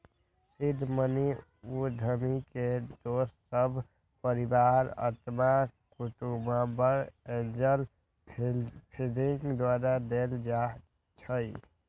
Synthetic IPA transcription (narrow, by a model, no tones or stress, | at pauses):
sid̪ʱːməni | ud̪ʱəmiked̪ossəbʱ | pəɾibaɾə̰ɾt̪makuʈumabəɾẽd͡ʒəl | pʰiliŋɡd̪waɾad̪eld͡ʒa | t͡ʃʰəj